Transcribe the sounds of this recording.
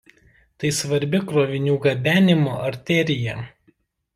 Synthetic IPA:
t̪ɐɪsʋɐɾʲbʲɪkɾoːʋʲɪnʲuːɡɐbʲæːnʲɪmoːʔɐɾʲt̪ʲɛɾʲɪjɛ

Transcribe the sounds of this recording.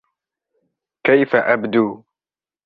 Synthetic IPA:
kajfaʔabd̪uː

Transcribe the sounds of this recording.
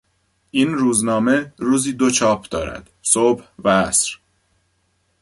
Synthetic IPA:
ʔiːnɾuːznɒːme̞ɾuːziːd̪o̞t͡ʃʰɒːpʰd̪ɒːɾæ̰d̪̥sobhvææsɾ

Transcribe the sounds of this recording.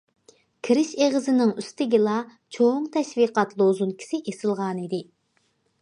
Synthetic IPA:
kʲʰiɾɪʃeʁɨzɪnɪŋyst̪ɪɡʲilˠɑ | t͡ʃʰoŋt̪ʰɛʃviqɑt̪lˠozunkʲʰi̥sɪʔesɨlˠʁɑnid̪ɪ

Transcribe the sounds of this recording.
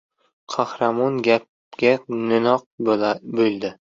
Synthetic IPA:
qʰɑhɾamɒnɡʲap̚ | ɡʲanɪnɒq̚bɵld̪ɪ

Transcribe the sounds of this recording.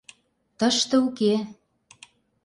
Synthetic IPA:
t̪ə̆ʃt̪ɤ̆uke

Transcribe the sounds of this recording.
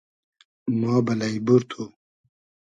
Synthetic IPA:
mɑːbɐlaibuɾt̪ʰu

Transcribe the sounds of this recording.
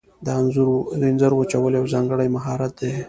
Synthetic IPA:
d̪əanzuɾd̪enzaɾwət͡ʃawəljawzɑŋɡəɽajmaɦɑɾat̪̚d̪e

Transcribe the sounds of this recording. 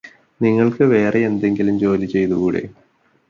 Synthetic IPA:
niŋːɐɭkɨʋe̞ːreend̪e̞ŋɡilumt͡ɕo̞ːlit͡ɕːe̞jt̪uɣuːɽḛ

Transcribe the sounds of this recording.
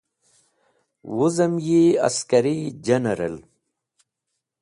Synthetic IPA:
wuzɐmjiɐ̰skɐɾid͡ʑɐnɐɾɐ̰l

